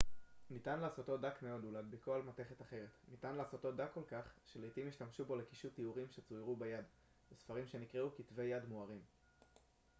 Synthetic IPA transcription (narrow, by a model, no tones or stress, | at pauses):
nitanlaːso̞t̪lo̞dakme̞o̞dulad̪bekoalmate̞χetaχe̞ʁe̞tnitanlaːso̞tlo̞dakːo̞lkaχʃelejtimiʃtamʃubo̞le̞kiʃutiuʁimʃet͡sujʁubajad | besfaʁimʃe̞nikʁeukitve̞jadmuaʁim